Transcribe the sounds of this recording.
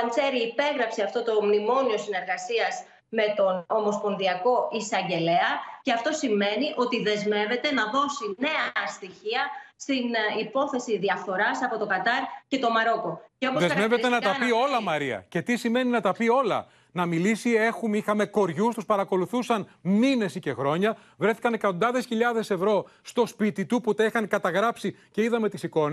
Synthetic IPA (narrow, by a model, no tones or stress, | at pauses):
ɐŋse̞ɾiːpe̞ɣɾɐpseɐft̪o̞t̪o̞mnimo̞nio̞sine̞ɾɣɐsiɐz | me̞t̪o̞nomo̞spo̞nðiɐko̞ʔisɐɲɟe̞le̞ɐce̞ɐft̪o̞sime̞niʔo̞t̪iðe̞zme̞ve̞t̪e̞nɐðo̞sine̞ɐɐst̪içiɐst̪inipo̞θe̞siðiɐfθo̞ɾɐsɐpo̞t̪o̞kɐt̪ɐɾce̞t̪o̞mɐɾo̞ko̞ceo̞poðemme̞vett̪e̞nɐt̪ɐpio̞lɐmɐɾiɐ̰ce̞t̪isime̞ninɐt̪ɐpio̞lɐ̰ | nɐmilisie̞xumixɐme̞ko̞ɾʝust̪uspɐɾɐko̞luθusɐnmine̞sice̞xɾo̞ɲɐ | vɾe̞θikɐnekɐt̪o̞nd̪ɐðe̞sçiʎɐðe̞se̞vɾo̞st̪o̞spit̪it̪uput̪eixɐnkɐt̪ɐɣɾɐpsice̞iðɐme̞t̪isiko̞n